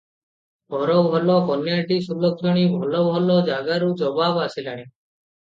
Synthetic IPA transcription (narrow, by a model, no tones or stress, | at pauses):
bʱɔɾɔːbʱɔlɔːkɔnjaːʈiːsulɔksɔɽ̃iːbʱɔlɔːbʱɔloːd͡ʒaːɡaɾuːd͡ʒɔbaːbasilaɽ̃iː